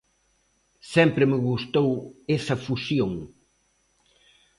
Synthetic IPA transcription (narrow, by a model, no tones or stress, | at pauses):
sɛmpɾɪmɪɣust̪owɛsɐfusjoŋ